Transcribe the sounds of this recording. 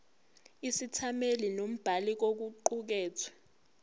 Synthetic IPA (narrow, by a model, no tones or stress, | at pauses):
isitʰamelinom̩b̥ʱalik̬ok̬uǃuk̬ɛːt͡sʰwḁ